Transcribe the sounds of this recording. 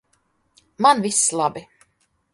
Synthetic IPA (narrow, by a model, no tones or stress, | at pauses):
manvislˠabi